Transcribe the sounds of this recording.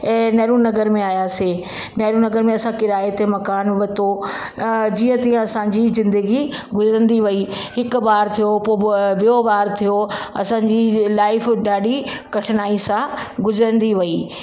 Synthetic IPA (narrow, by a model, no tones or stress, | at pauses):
ɛ̃ːnɐːɾunɐɡəɾmẽaːjaseː | nɐːɾunɐɡəɾmẽɐsãkɪɾaːet̪emɐkaːnʋɐt̪o | d͡ʑiːə̃t̪ĩə̃ɐsãɲd͡ʑizɪ̃nd̪əɡi | ɡʱʊzɪɾə̃nd̪iʋɐiɦɪkʊbaːɾt̪ʰijopːbɪjobaːɾt̪ʰijoɐ̰sãːɲd͡ʑilaːɪfɗaːɗikɐʈʰɪnaːisãɡʱʊzəɾə̃nd̪iʋɐiː